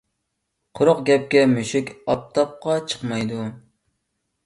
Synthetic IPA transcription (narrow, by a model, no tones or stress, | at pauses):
qʰʊɾʊqɡʲɛp̚kʲɛmyʃɪkʲɑp̚t̪ʰɑp̚qɑt͡ʃʰə̥qmɑjd̪u